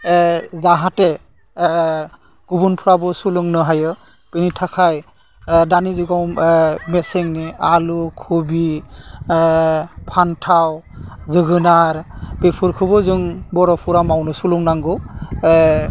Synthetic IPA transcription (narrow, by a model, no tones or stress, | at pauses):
zaɦate | ɡ̥ubunpʰɯɾabɔsuluŋnɯɦajɯ | pɯnitʰakʰaj | danizɯɡɔwmeseŋnialukʰubi | pʰantʰawzɯɡɯnaɾbepʰɯɾkʰɯbɔzɯŋbɔɾɔpʰuɾamawnɯsuluŋnaŋɡɯ